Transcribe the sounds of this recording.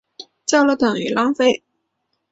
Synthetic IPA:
t͡ɕjɑ˥˩ʊlə˨˩t̪ɤ˨˩ŋy˨˩lɑ˥ŋfe˥˩ɪ

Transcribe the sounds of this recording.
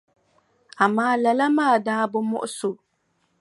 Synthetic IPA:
a˨maː˦la˨la˦maː˦˨daː˦bʊ˦mɔ̰˦ʔʊ˦so˨

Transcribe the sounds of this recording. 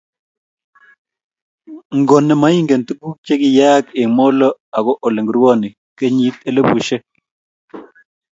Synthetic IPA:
ŋɡo˨nɛ˨ma˦i˦ŋɡe˨nt̪u˦ku˦k̚t͡ʃe˦kɪ˨ja˦ke˨mo˦lɔ˦a˨kɔ˦ʔo˨le˨ŋɡɾwɔ˦nɪ˨ | ke˦ɲi˦t̪e˦˨le˦bu˨ʃe˦

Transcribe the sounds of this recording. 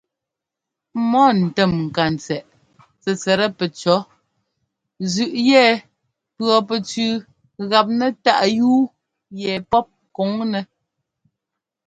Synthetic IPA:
mɔ˦n̩˨tɛ˦˨mŋ̩˨ka˨n˨t͡sɛ˨ʔ | t͡sɛ˨t͡sɛ˨ɾɛ˦pɛ˨t͡ʃɔ˨˦ | zʉ˨ʔjɛː˦˨ | pɰɔ˨pɛ˨t͡sʉː˨ | ɣa˨p̚nɛ˨ta˦˨ʔjuː˦ | jɛ˨pɔ˦p̚ko˨˦ŋnɛ˨

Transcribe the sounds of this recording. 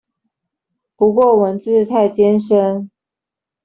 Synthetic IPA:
pu˧˥kwɔ˥˩wə˧˥nt͡sɹ̩˥˧t̪ʰa˥˩ɪt͡ɕjɛ˥nʂə˥n

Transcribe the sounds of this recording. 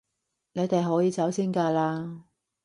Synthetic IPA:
ne˨˧jt̪e˨jɦɔː˨˥jiː˨˧t͡sɐ˨˥wsiː˥nkaː˧laː˧

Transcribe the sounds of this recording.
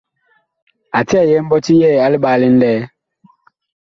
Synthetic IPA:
a˨ti˦a˦˨jɛ˦m̩˦bɔ˦ti˦jɛː˦˨a˨˦li˦ɓaː˨˦˨li˦n̩˦dɛː˦

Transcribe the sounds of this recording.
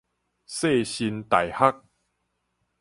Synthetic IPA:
se˥˧˨ɕi˧nt̪a˨˩jha˦˥k̚

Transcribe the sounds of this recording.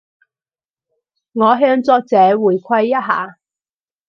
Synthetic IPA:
ŋɔː˨˧ɦœː˧ŋt͡sɔː˧k̚t͡sɛː˨˥wuː˨˩jkʷʰɐ˧jːɐ˥t̚ɦa̰ː˨˥

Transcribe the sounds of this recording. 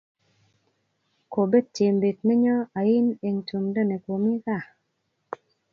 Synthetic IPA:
ko˨be˦d̚t͡ʃe˨mbe˨tnɛ˦ɲɔ˦a˨i˦ne˨ŋtu˨mdɔ˦˨ne˨kwo˨mi˦ka˦˨

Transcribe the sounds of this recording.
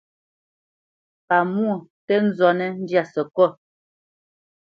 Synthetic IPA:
pa˨mu˦o˨tɛ˦n̩˦zɔ˨nɛ˦n̩˦dja˦˨sə˨kɔ˦˨

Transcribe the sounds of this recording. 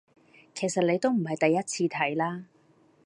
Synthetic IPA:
kʰe˨˩sɐ˨t̚le˨˧jt̪o˥wm̩˨˩ɦɐ˨jt̪ɐ˨jːɐ˥t̚t͡sʰiː˧t̪ʰɐ˨˥jlaː˥

